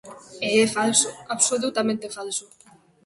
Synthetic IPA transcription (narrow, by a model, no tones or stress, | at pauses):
eɛfalsʊaβsolut̪amẽnt̪efalsʊ